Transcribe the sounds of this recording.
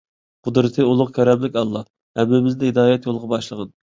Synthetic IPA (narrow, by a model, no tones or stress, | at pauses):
qʰʊd̪ɾɨt̪ʰɨulˠʊqkʲʰɛɾɛmlɪkʲɑlˠːɑ | hɛmːɪmɪznɪɦɪd̪ɑːjɛt̪jolˠʁɑbɑʃlˠəʁɑn